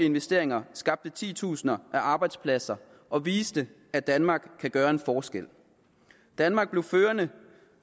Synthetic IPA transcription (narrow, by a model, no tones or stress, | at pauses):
e̝nʋesd̥e̝ɐeŋɐsɡ̥ɑ̈b̥̚d̥ət͡sʰḭːt͡sʰṵːsnɐʔæʔɑ̈ːb̥ɑ̈ɪd̥spʰlæsɐ | ʔɒ̽ʋiːsd̥ə | æd̥ænmɑ̈ːɡ̥kʰːæɡ̥ɶːɐe̝nfɒːsɡ̥el̰ | d̥ænmɑ̈ɡ̥̚b̥le̝ʊføːɐnə